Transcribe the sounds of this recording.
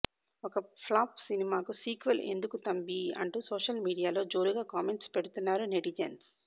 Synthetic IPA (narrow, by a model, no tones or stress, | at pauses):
ɔkɐpʰlaːpsinimaːkusiːkʋɐle̞̰nd̪ukut̪ɐmbiɐ̰ɳʈuːsoːʂɐlmiːɽijaːlo̞ːd͡ʒoːɾuɡaːkaːmeɳʈspeɽut̪unːaːɾuneɽid͡ʒens